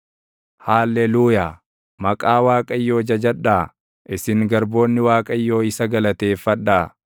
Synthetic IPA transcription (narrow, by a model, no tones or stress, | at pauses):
haːlːɛluːjaː | mɐkʼaːwaːkʼɐɪjːo̞ːd͡ʒɐd͡ʒɐᶑaː | ʔɪsɪŋɡɐɾbo̞ːnːɪwaːkʼɐɪjːo̞ːɪsɐɡɐlɐt̪e̞ːfːɐᶑːaː